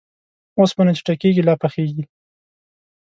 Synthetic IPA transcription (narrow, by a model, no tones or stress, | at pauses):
osbanat͡ʃi̥ʈakeɡilɑpaxeɡi